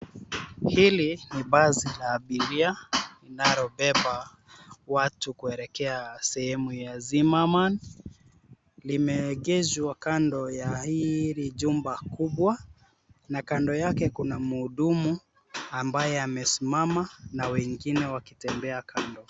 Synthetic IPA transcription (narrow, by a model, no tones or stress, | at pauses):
hiliniɓazilaːɓiɾialinaɾɔɓɛɓa | watukuɛɾɛkɛasɛhɛmujazimaman | limɛɠɛzwakandɔjahiɾiʄumbakuɓwa | nakandɔjakɛkunamuːɗumu | ambajɛamɛsimamanawɛŋɡinɛwakitɛmbɛakʰandɔ